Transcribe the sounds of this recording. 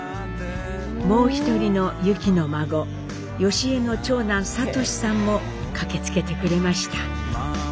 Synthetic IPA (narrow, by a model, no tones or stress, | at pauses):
mo̞ːçi̥t̪o̞ɾʲino̞jɯ̟kʲino̞maɡo̞ | jo̞ɕie̞no̞t͡ɕo̞ːnãɰ̃sat̪o̞ɕi̥sãmːo̞ | kake̞t͡sɨ̥ke̞t̪e̞kɯ̟ɾe̞maɕi̥t̪a